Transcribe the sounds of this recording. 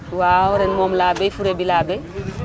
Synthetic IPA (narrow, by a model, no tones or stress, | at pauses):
waːhɔɾɛnmɔmlaːbɛfuɾebilaːbɛ